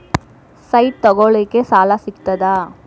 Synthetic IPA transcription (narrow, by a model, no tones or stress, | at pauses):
sɐjʈ̚t̪ɔɡoɭiːkesaːlasikt̪ɐd̪a